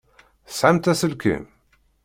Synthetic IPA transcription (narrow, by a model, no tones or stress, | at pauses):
sʕamt̪æsəlkḭm